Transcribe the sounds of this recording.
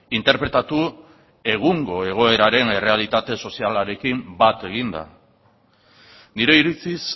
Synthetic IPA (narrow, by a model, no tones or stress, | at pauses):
int̪e̞ɾpɾe̞t̪at̪u | e̞ɣuŋɡo̞e̞ɣ̞o̞e̞ɾaɾe̞ne̞re̞alit̪at̪e̞so̞sialaɾe̞kimbat̪e̞ɣ̞ind̪a̰ | niɾe̞iɾit͡sis